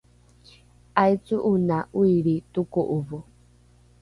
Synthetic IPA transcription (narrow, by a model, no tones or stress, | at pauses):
ajt͡suʔunauiɾit̪ukuʔuβu